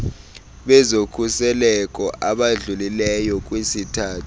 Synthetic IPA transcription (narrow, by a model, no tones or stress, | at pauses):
ɓɛzokʰusɛlɛkʼɔʔaɓaɮulilɛjɔk̬ʼwesitʰaːtʰu̥